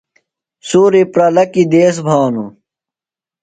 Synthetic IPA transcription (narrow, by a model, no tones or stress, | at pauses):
suːɾipɾɐlɐkid̪eːs̬bʱaːnu